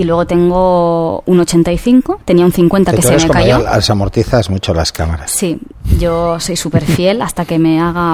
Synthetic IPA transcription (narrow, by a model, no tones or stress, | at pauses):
ilwe̞ɣo̞t̪e̞ŋɡo̞unot͡ʃe̞nt̪aiθiŋkot̪e̞niaun̟θiŋkwe̞nt̪akesemekajoa̰lsamoɾt̪iθazmut͡ʃolaskamaɾassi | ɟ͡ʝo̞so̞jsupe̞ɾfje̞last̪ake̞me̞aɣa